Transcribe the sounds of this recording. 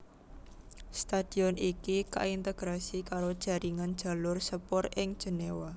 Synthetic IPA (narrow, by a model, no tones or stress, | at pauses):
st̪ad̪̥i̤ɔnikika̰ʔint̪eɡ̥ɾasikaɾod̥ʒ̥ä̤ɾiŋand̥ʒ̥a̤lʊrsəpɔrɪŋd̥ʒ̥ə̤newa